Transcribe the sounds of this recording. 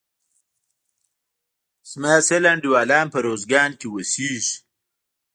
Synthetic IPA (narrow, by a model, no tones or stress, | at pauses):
smaːselaɳɖiwaːlɑːnpɐɾoːzɡɑːnkewəsiːʒ